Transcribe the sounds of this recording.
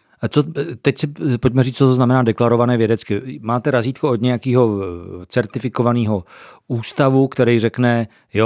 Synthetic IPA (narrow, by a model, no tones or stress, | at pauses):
t͡sot̪ɛcsɪpo̞c̚mɛriːt͡st͡sot̪oznamɛnaːdɛklaɾo̞vanɛːvjɛdɛt͡skɪmaːt̪ɛɾaziːt̪̚kood̪ɲɛjakiːɦo̞t͡sɛɾt̪ɪfɪko̞vaniːɦouːst̪avukt̪ɛɾɛjrɛknɛ | jo